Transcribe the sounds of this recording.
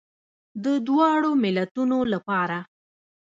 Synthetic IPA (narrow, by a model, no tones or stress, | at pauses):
d̪əd̪wɑɽomɪlat̪unolapɑɾa